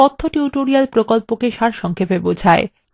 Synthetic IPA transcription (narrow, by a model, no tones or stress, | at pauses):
ɔt̪ʰːoʈiuʈoɾialpɾokolpokeʃaɾʃɔŋkʰepebod͡ʑʱae